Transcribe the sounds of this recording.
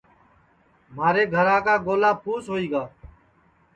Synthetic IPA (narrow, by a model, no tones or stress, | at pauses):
maːɾeːɡʱəɾaːkaːɡoːlaːpʰuːsɦoːiːɡaː